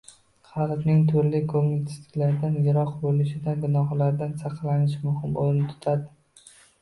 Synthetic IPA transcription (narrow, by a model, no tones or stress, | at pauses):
χɑlbnɪŋt̪ʰʊɾlɪkʰomɪt̪ʰst̪ɪ̥kʲlaɾɪd̪anjɪɾɒqbolɪʃɪd̪anɡʊnɒɦlaɾd̪ansɑqʰlanɪʃmʊhɪmoɾɪnɪt̪ʰʊ̥t̪ʰad̪ɪ